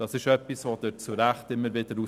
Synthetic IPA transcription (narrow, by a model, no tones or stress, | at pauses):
d̥ɑsɪʃœpisvod̥əɾt͡suɾæχtɪmːəɾvɪdəɾu